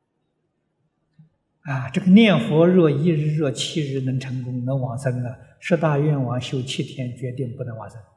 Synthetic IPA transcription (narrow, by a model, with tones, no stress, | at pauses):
a˧˩ʈ͡ʂɤ˥˩ɡə˩njɛ˥˩nxwɔ˧˥ɻɤ˥˩i˥ɻɻ̩˧˥ɻɤ˥˩t͡ɕʰi˥˧ɻɻ̩˧˥nə˧˥ŋʈ͡ʂʰɤ˧˥ŋkʊ˥ŋnɤ˧˥ŋwɑ˨˩ŋsə˧˥ŋd̪ə˨ | ʂ̩˥˧t̪a˥˧ɥɛ˥˩nwɑ˧˥ŋɕjo˧˥˩ʊt͡ɕʰi˥˩t̪ʰjɛ˧˥nt͡ɕɥɛ˧˥t̪i˥˧ŋpu˥˩nə˧˥ŋwɑ˨˩ŋsə˧˥ŋ˧